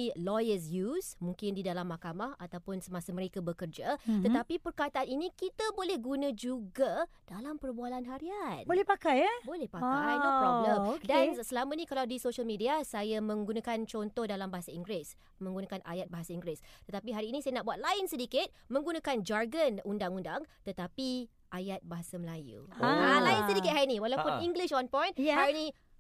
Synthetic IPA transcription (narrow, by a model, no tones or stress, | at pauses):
ilɔjəs̬jusmũŋkɪndidalamːahkamahat̪awpʊnsəmasamə̃ɾekabəkərd͡ʒat̪ət̪apipərkat̪aʔaninĩkit̪abolɛhɡunãd͡ʒuɡad̥alampərbualanɦaɾianbolɛhpakajbolɛhpakajdopɾɔbləmkdansəlamãnĩkalawdisoʃəlmidiasajamə̃ŋɡunãkant͡ʃɔnt̪ɔhdalambaɦasaiŋɡɾɪs | mə̃ŋɡunãkanʔa̰jat̪̚baɦasaiŋɡɾɪst̪ət̪apiɦaɾiːnĩsajanaʔbuat̪̚laɪnsədikɪt̪̚mə̃ŋɡunãkand͡ʒarɡənundaŋundaŋt̪ət̪api | ʔajat̪̚baɦasaməlajṵalaɪnsədikɪt̪̚haɾinĩwalawpʊniŋɡliʃɔnpɔ̃jnhaɾnĩ